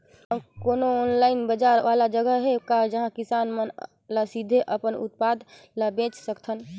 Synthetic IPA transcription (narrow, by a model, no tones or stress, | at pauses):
koːnoonlaːɪinbəd͡ʒaɾʋalad͡ʒəɡəɦekad͡ʒəɦãkisanmən | lasid̪ʱeʔəpənṵt̪̚pad̪ʱ | ləbẽt͡ʃsəkt̪ʰən